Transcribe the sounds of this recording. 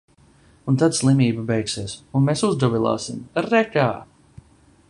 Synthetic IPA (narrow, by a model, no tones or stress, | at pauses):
unt̪ad̪slˠimʲiːbabɛjksiɛsunmesuzd̪ɔvilˠa̰ːsimɾːɛkaː